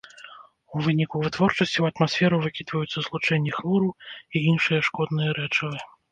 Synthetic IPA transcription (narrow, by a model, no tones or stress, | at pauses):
uvɨnʲikuvɨt̪vɔrt͡ʂɐsʲt͡sʲiwɐt̪masʲfʲɛɾɐvɨkʲid̪vɐjut̪sːɐzlˠut͡ʂɛnʲːixlˠuɾuiinʂɨjɐʂkɔd̪nɨjɐɾɛt͡ʂɐvɨ